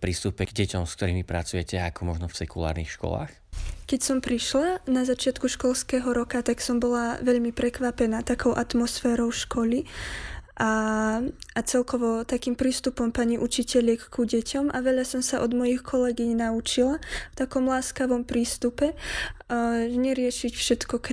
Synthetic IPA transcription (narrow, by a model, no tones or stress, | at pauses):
pɾiːst̪upɛɡdɟɛcɔmsk̚t̪ɔɾiːmipɾat͡sujɛcɛakɔmɔʒnɔfsɛkula̰ːɾnixʃkɔ̰la̰ːx | kɛcsɔmpɾiʃlanazat͡ʃɪat̪kuʃkɔlskɛːɦɔɾɔkat̪aksɔmbɔlaʋɛʎmipɾɛkʋapɛnaːt̪akɔʊʔat̪mɔsfɛːɾɔʊʃkɔli | ʔa | at͡sɛlkɔʋɔt̪akiːmpɾiːst̪upɔmpaɲiʔut͡ʃicɛʎɛkkuɟɛcʰɔmʔaʋɛʎasɔmsaʔɔd̪mɔjixkʰɔlɛɡiɲnaut͡ʃilaft̪akɔmlaːskaʋɔmpɾiːst̪upɛ | ɲɛɾɪɛʃicfʃɛt̪kɔk